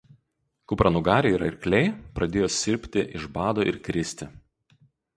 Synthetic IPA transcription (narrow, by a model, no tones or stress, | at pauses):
kʊpɾɐnʊɡɑːɾʲɛiːɾɐ̰ɪɾʲkʲlʲɛɪpɾɐd̪ʲeːjoːsʲɪɾʲpʲt̪ʲɪʔɪʒbɑːd̪oːʔɪɾkʲɾʲɪsʲt̪ʲɪ